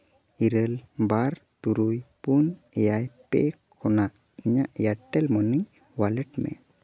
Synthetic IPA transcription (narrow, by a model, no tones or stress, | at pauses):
iɾəlbaɾt̪uɾujpunɛjajpḛkː | ɔnaʔ | iɲaʔjaʈːɛlmɔni | walɛʈmɛ̰